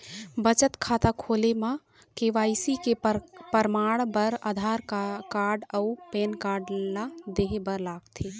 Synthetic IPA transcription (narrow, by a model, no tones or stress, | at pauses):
bət͡ʃət̪kʰaːt̪akʰoːlema | keʋaːɪsikepəɾmaːɽbəɾad̪ʱaːɾkaːɾɖəupeːnkaːɾɖlad̪eɦebəɾlaːɡt̪ʰe